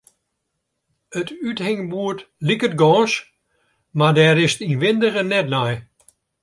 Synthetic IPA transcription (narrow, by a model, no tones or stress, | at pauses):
ətythɪŋbuətlikətɡɔ̃ːʃ | madɛɾɪstinʋɪndərənɛt̚naj